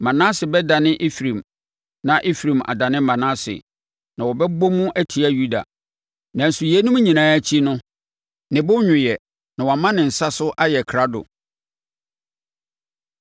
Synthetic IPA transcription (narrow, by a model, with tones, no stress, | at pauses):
mã˨nã˦sɪ˨bɛ˦da˨nɪ̃˦ʔe˦fɾĩ˨m | nã˨ʔe˦fɾĩ˨ma̰˨da˨nɪ̃˦mã˨nã˦sɪ̰˨ | nã˨wɔ˨bɛ˦bɔ˦mũ˦ʔæ˦tʰi˨a˦ju˦da̰˨ | nã˨n̩˨su˨jɛ˦nʊ̃˦m˦ɲĩ˨nãː˨˦a˦t͡ɕʰi˦nʊ̃˦ | nɪ̃˨bʊ˦ɲʊ̃˨jɛ˨ | nã˨wɔ˨mã˦nɪ̃˨n̩˨sa˦sʊ˦ʔa˦jɛ˨kʰɾa˦dʊ̰˨